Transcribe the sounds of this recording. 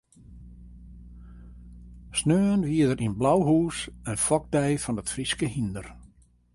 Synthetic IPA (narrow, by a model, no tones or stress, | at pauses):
snøːnʋiədərʔinblawɦuːsənfɔɡ̚dɛjfɔndətfriskəɦindər